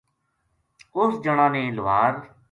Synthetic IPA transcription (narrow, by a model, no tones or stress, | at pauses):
ʊsd͡ʒəɽ̃ãːnẽːlʋaːɾ